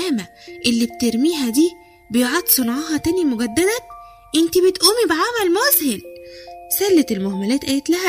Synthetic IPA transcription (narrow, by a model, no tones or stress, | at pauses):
æːmæʔelːib̚t̪eɾmiːɦæd̪iː | bejoʕɑd̪sˤonʕɑːɦɑt̪æːnimoɡæd̪ːæd̪æ | ʔent̪ibet̪ʔuːmibeʕamælmozhelsælːet̪elmohmælæːt̪ʔæːjet̪læhæ